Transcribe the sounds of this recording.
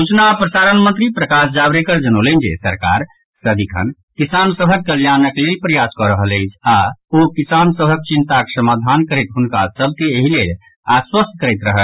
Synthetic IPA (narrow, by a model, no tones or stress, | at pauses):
ut͡ʃnapɾəsaɾənmənt̪ɾipɾəkas̬d͡ʒabɾekəɾd͡ʒənolənd͡ʒḛsəɾka̰ɾ | səd̪ikʰə̰n | kisansəbʱəkːəljanəklelpɾəjaskɔɾəɦələɪt͡ʃʰaokisansəbʱək̚t͡ʃint̪akesəmad̪ʱankəɾət̪ɦunkasəb̚ʱkeeɦilel | aswəst̪kəɾɛt̪ɾəɦəl